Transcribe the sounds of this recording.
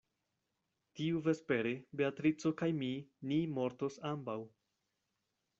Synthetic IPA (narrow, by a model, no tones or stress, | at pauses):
tiuve̞spe̞ɾebe̞atɾit͡so̞kajminimo̞ɾto̞sambaw